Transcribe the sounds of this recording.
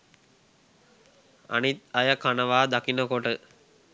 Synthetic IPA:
ɐ̰nit̪̚ɐjɐkɐnɐʋaːd̪ɐkinɐkoʈɯ

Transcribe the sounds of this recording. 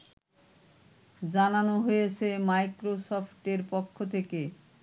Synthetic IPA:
d͡ʑananoɦojet͡ɕʰemajkɾosɔfʈeɾpokʰːot̪ʰeke

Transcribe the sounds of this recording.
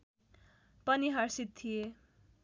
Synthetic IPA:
pʌniɦʌrsit̪ʰːije

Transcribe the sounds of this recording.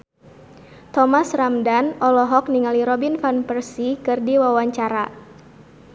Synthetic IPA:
t̪ɔmasramdanʔɔlɔɦɔk̚niŋaliɾɔbinfanpərsikɨrdiwawaɲt͡ʃaɾa

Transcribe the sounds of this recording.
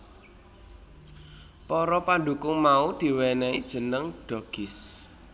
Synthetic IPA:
pɔɾɔpanɖukʊŋmaud̪̥i̤wɛnɛid̥ʒ̥ə̤nəŋɖ̥ɔ̤ɡ̥ɪs

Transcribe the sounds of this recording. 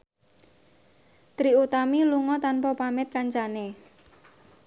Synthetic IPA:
t̪ɾiut̪amiluŋɔt̪anpɔpamɪt̪̚kaɲt͡ʃane

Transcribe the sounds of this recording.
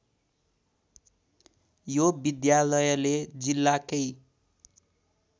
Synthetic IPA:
jobid̪jalʌjʌled͡zilːakʌj

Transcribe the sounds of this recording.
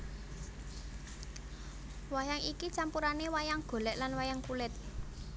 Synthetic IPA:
wajaŋikit͡ʃampuɾanewajaŋɡ̥o̤lɛʔlanwajaŋkulɪt̪̚

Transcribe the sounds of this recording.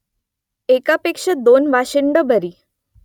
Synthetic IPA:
ekapekʂəd̪onʋaɕəɳɖəbʱəɾiː

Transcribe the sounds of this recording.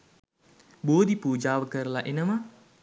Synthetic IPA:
bod̪ipud͡ʒawəkəɾlaʔinəma

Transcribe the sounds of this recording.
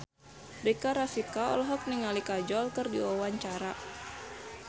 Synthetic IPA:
rikaɾafikaɔ̰lɦɔk̚niŋalikad͡ʒɔlkɨrdiɔwaɲt͡ʃaɾa

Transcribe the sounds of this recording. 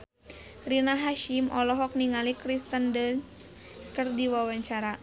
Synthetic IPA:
rinaɦaʃimʔɔlɔɦɔk̚niŋalikɾist̪əndəns | kərdiwawaɲt͡ʃaɾa

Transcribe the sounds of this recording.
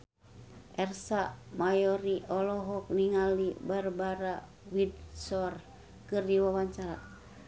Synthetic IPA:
ʔɛrsamajɔɾiʔɔlɔɦɔk̚niŋalibarbaɾa | wid̚sɔr | kɨrdiwawaɲt͡ʃaɾa

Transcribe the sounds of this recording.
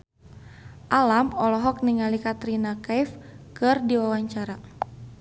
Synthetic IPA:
ʔalamɔlɔɦɔk̚niŋalikat̪ɾinakajfkɨrdiwawaɲt͡ʃaɾa

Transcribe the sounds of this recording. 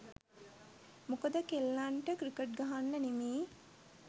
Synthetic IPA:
mokəd̪əkelːaɳʈəkɾikəʈ̚ɡaɦanːənimiː

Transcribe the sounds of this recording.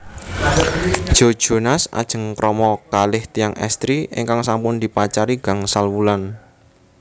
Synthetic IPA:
d̥ʒ̥o̤d̥ʒ̥o̤nasa̰d̥ʒ̥ə̤ŋkɾɔmɔkalɪht̪ijaŋɛ̰st̪ɾiɪ̰ŋkaŋsampʊnd̪̥ipat͡ʃaɾiɡ̥a̤ŋsalwulan

